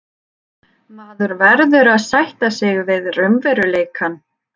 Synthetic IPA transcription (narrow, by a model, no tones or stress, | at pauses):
maːðʏɾvɛɾðʏɾaðsajht̪asɪɣvɪðrʏmvɛɾʏleːjkʰan